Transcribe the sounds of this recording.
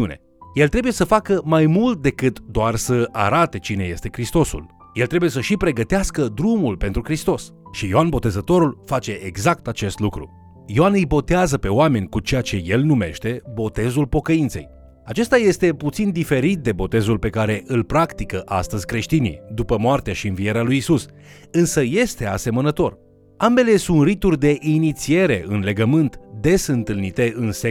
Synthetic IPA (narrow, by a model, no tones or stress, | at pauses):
une̞̰ | je̞lt̪ɾe̞buje̞səfakəmajmult̪̚d̪e̞kɨt̪d̪oarsəʔa̰ɾat̪e̞t͡ʃine̞je̞st̪e̞kɾist̪o̞sṵl | jelt̪ɾe̞buje̞səʃipɾe̞ɡət̪easkəd̪ɾumulpe̞nt̪ɾukɾist̪o̞s | ʃijoanbo̞t̪e̞zət̪o̞ɾulfat͡ʃe̞ʔeɡzakt̪at͡ʃe̞st̪lukɾṵ | joanɨjbo̞t̪eazəpe̞oame̞nʲkut͡ʃe̞jat͡ʃe̞je̞lnume̞̰ʃt̪e̞bo̞t̪e̞zulpo̞kəint̪se̞̰j | at͡ʃe̞st̪aje̞st̪e̞put̪sind̪ife̞ɾit̪̚d̪e̞bo̞t̪e̞zulpe̞kaɾe̞ʔɨlpɾakt̪ikəʔast̪əzʲkɾe̞ʃt̪inḭjd̪upəmoart̪eaʃiɨnvie̞ɾealujisus | ɨnsəje̞st̪e̞ase̞mənət̪o̞r | ambe̞le̞sunt̪rit̪urd̪e̞ʔinit̪sie̞ɾe̞̰ʔɨnle̞ɡəmɨnt̪d̪e̞sɨnt̪ɨlnit̪e̞ɨnse